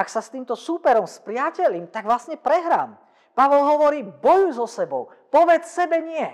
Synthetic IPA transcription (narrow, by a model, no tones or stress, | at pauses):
aksast̪iːmt̪ɔsuːpɛɾɔmspɾɪacɛʎimt̪aɡʋlasɲɛpɾɛɦɾa̰ːm | paʋɔlɦɔʋɔɾiːbɔjujzɔsɛbɔʊ | pɔʋɛt͡ssɛbɛɲɪɛ